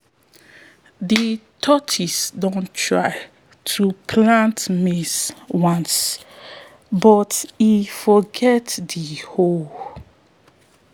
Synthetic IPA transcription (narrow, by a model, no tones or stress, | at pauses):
ditʰɔtʰisdõntʰɹa̰ɪ | tʰupʰlãntmiswɔ̃ns | bɔtifɔɡɛtdiho